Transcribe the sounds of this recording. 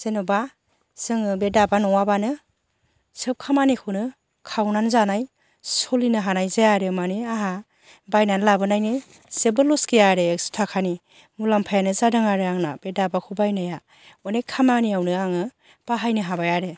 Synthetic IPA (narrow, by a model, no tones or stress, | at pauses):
z̥enɔba | z̥ɯŋɯbedabanɔŋwabanɯ | sɯp̚kʰamanikʰunɯ | kʰawnanzanaj | sɔlinɯɦanajzejaɾɯmaneaɦa | bajnanlabɯnajnɯ | sebɯlɔskejaɾekstʰakʰani | mulampʰajanɯzadɯŋaɾɯaŋna̰b̥edabakʰubajnaja | ɔnejkʰamaniawnɯaŋɯ | b̥aɦajnɯɦabajaɾe